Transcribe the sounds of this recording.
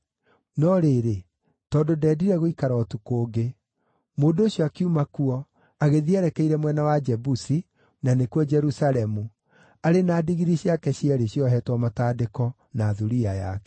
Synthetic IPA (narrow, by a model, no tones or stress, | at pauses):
nɔɾeɾe | tɔːndodɛːdiɾɛɣoikaɾɔːtukoːɡe | moːndooɕjɔakiumakuɔ | aɣeðiɛɾɛkɛiɾɛmwɛnawad͡ʒɛbusi | nanekuɔd͡ʒɛɾusalɛmu | aɾenaːdiɣiɾiɕjakɛɕiɛɾeɕjɔɦɛtwɔmataːdekɔ | naːðuɾiaja̰kɛ̥